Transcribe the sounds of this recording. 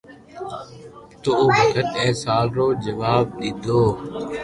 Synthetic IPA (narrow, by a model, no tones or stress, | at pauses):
t̪oːoːbʱət̪ət̪ɛːsaːlɾoːd͡ʒəʋaːb̚ɗ̪ɪd̪ʱoː